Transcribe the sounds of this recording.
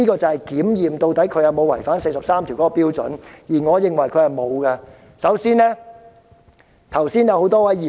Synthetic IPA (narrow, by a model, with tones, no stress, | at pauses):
iː˥kɔː˧t͡sɐ˨˧hɐ˨˩jkiː˨˥mjiː˨mt̪o˧wt̪ɐ˨˥jkʰɵ˧jɐ˨˧wmo˨˧wɐ˨˩jfaː˨˥nse˧jsɐ˨p̚saː˥mt̪ʰi˨˩kɔː˨˥kɔː˧piː˥wt͡sɵ˨˥njiː˨˩ŋɔː˨˧jɪ˨˧ŋwɐ˨˩jkʰɵ˨˧hɐ˨jmo˨˧wɡɐ˧ | sɐ˨˥wsiː˥nlɛː˥ | t̪ʰɐ˨˩wsiː˥njɐ˨˧who˨˥wt̪ɔː˥wɐ˨˥jiː˨˩